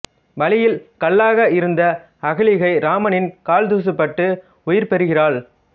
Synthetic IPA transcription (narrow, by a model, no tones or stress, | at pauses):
ʋɐlɪjɪlkɐɭːaːɣɐɪɾɯnd̪ɐ | ɐɣɐɭɪɣɐɪɾaːmɐnɪnkaːld̪uːs̬ɯpːɐʈːɯ | ʊjɪɾpɛɾɯɣɪraːɭ